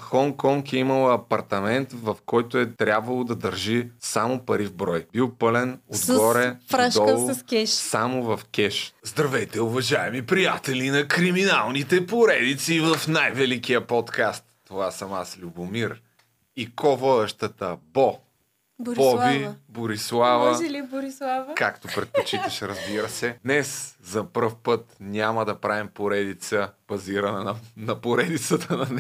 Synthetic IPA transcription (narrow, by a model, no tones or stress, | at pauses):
xɔŋkɔŋkɛimɐlˠɐpɐɾt̪ɐmɛnt̪vɐfkɔjt̪ʊɛt̪ɾʲabvɐlˠod̪ɐd̪ɐɾʒisamopɐɾivbɾɔjb̥ilˠpɤlɛnod̪ɡɔɾɛɾad̪ɔlˠskʲɛʃsamovɐfkʲɛʃzd̪ɾɐvɛjt̪ɛʊvɐʒaɛmipɾijat̪ɛlinɐkɾiminalˠnit̪ɛpoɾɛd̪it̪sivɐfnajvɛlik̟ijəpɔt̪kast̪ːovasɐmaslʲubʊmiɾ | ikɔvɔd̪ɛʃt̪ət̪əbɔ | bɾɔbiboɾislˠavɐlboɾislˠavkakt̪opɾɛt̪̚pot͡ʃit̪əʃɛɾəzbiɾəsɛd̪nɛszɐpfpɤt̪nʲaməd̪ɐpɾavimpoɾɛd̪it̪səb̥ɐziɾɐnɐnnɐpoɾɛd̪it̪sət̪ʰənɐn